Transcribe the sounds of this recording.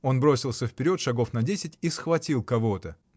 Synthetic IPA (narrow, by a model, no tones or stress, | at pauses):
o̞nbɾo̞sʲɪlˠsʲəfpʲɪɾʲo̞t̪ʂɐɡo̞fnɐdʲesʲɪtʲisxvɐtʲilˠkɐvo̞t̪ə